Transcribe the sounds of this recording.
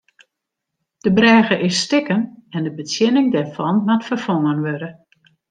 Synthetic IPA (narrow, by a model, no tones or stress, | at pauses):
d̥əbrɛːɣəʔɪsːtɪkənɛndəbət͡sjɪnɪŋdɛrfɔnmatfərfɔŋənʋødə